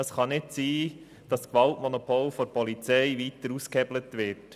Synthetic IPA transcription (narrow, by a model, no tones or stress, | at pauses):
əsχɑnɪtsiː | d̥ɑskʋɑltmɔnɔpʰoːlfɔɾpʰɔlit͡sɛɪʋitəɾuskhɛblətʋɪt